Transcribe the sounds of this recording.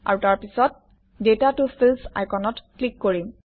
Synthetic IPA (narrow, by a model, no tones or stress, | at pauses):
a̰ɹutaɹpisɔt̚ | detatufʰilsa̰jkɔnɔtklikːoɹim